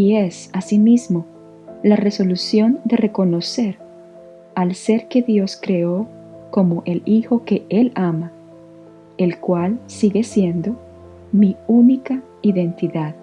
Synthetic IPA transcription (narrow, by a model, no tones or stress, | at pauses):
iesasimizmo̞ | lare̞so̞lusjo̞nd̪e̞re̞ko̞no̞se̞ɾ | alse̞ɾke̞ðjo̞skɾe̞o̞ | ko̞mo̞ʔe̞lixo̞ke̞e̞lama | e̞lkwalsiɣe̞sje̞nd̪o̞ | miunika | iðe̞nt̪iðað